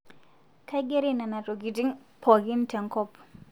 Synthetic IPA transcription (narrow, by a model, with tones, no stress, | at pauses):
ka˦ɪ˦ɡe˦ɾi˦na˨na˨to˨ɡi˨ti˦ŋpʰɔ˨ɡɪ˦n˦tʰɛ˨ŋkɔ˦p